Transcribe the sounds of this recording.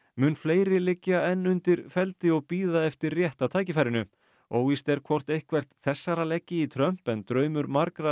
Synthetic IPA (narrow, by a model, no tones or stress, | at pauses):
mʏːnfleːjɾɪlɪcːaɛnːʏnt̪ɪɾ̥fɛlt̪ɪɔɣpiːðaɛft̪ɪrrjɛht̪at̪ʰaːjcɪfajɾɪnʏ | oːwist̪ɛɾ̥kʰvɔr̥t̪ejhkvɛr̥t̪θɛsːaɾalɛcːɪit̪ʰɾœm̥pɛnt̪ɾœːɥmʏɾmaɾkɾa